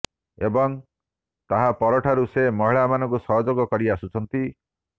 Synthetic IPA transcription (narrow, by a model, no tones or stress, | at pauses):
ebɔŋ | t̪aɦapɔɾɔʈʰaɾusemɔɦiɭamanɔ̃ŋkusɔɦɔd͡ʒoɡɔkɔɾiasut͡ʃʰɔnt̪i